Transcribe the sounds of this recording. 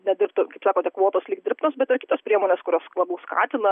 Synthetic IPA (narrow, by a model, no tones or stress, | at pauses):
nʲɛd̪ʲɪrpt̪ʊkɐɪpsɑːkoːt̪ʲɛkʋoːt̪oːslʲiːk̚dʲɪɾpnoːsbʲɛt̪ɪrkʲɪːt̪oːspʲɾʲiɛmoːnʲeːskʊɾʲoːslˠɑbʲɐʊskɑ̰ːt̪ʲɪnɐ